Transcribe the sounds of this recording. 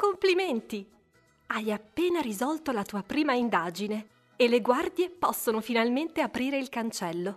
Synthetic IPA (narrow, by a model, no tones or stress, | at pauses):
kompliment̪i | ajapːeːnaɾizɔlt̪olat̪uːapɾiːmaind̪aːd͡ʒine | eleɡward̪jepɔsːonofinalment̪eapɾiːɾeilkant͡ʃɛlːo